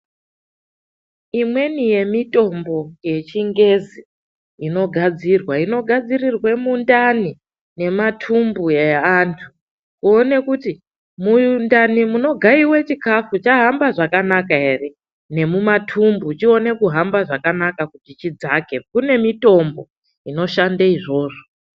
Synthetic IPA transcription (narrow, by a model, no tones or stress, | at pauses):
imwe̞nije̞mito̞mbo̞je̞t͡ʃiŋɡe̞zi | ino̞ɡʱad͡zirwaino̞ɡʱad͡zirirwe̞mundani | ne̞matʰumbujeantʰu | kuone̞kuti | mundanimuno̞ɡʱaiwe̞t͡ʃikafut͡ʃaɦambaʐakanakae̞re̞ | ne̞mumatʰumbut͡ʃio̞ne̞kuɦambaʐakanakakutit͡ʃid͡zakekune̞mito̞mbo̞̰ | ino̞ʃandaiʐo̞ːʐo